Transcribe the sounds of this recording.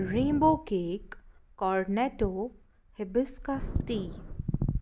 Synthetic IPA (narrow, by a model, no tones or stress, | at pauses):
ɾẽːmboːkeːkːɔːɾneʈoː | hɪbɪskasʈiː